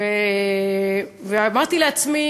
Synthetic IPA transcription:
e | veamaʁt̪ileat͡smi

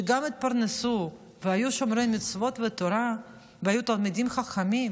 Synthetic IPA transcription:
ɡamit̪̚paɾnesu | veajuʃomɾemit͡svot̪vət̪oɾa | veajut̪ɐlmid̪imχaχamim

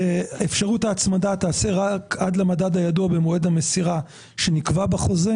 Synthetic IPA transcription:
aefʃaʁutaːt͡smadataːseʁakad̪lamadad̪ajaduabemoedamesiʁa | ʃenikvabaχo̞ze

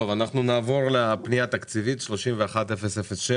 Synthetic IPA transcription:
ovanaχnunaːvo̞ʁleapnijat̪akt͡sivit̪ʃlo̞ʃimveaχat̪efesefesʃe

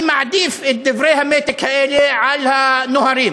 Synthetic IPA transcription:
maʕd̪iːfɪd̪ːɪvɾeːhameːt̪ɪkhaʔeːliʕalhanʊhaɾiːm

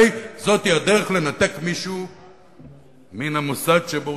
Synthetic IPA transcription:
jzo̞t̪iad̪eʁeχle̞nat̪e̞kmiʃu | minamusaɡʃebo

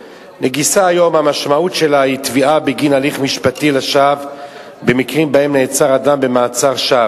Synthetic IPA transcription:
neɡisaːjo̞mhamaʃmautʃe̞lait̪viʔabeɡinaliχmiʃpat̪ileʃav | be̞mikʁimbae̞mneːt͡saʁadambe̞maːt͡saʁʃav

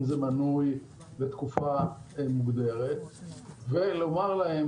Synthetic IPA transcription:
zemanuj | bet̪kufaemuɡd̪e̞ʁet̪velo̞maʁlahe

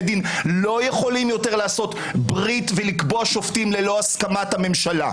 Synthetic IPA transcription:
d̪inlo̞jeχo̞limjo̞teʁlaːsot̪ | bʁit̪velikboaʃo̞ftimlelo̞askamathame̞mʃala̰

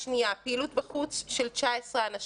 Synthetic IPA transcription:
nijapeːlut̪bakut͡sʃelt͡ʃaesʁeanaʃ

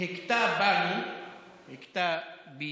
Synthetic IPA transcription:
hektabani | hekta | bi

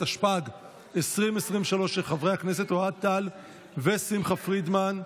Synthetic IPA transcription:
aʃpaɡ | esʁimesʁimveʃalo̞ʃelχavʁehaknes̬e̞t̪oad̚t̪al | vesimχafʁid̪man

